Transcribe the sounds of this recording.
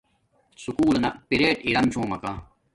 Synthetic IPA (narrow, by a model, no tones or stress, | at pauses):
sukuːlɐnɐpiɾeːʈiɾɐmt͡ɕʰõːmɐkaː